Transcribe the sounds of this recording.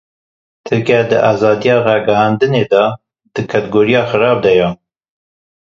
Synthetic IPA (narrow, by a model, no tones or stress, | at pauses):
t̪ʰɨɾkæd̪ɨʔɑːzɑːd̪ijɑːɾɑːɡɛɦɑːnd̪ɨneːd̪ɑː | d̪̥ɨkʰɛt̪ɨɡoːɾijɑːxɨɾɑːb̚d̪ɛjɛ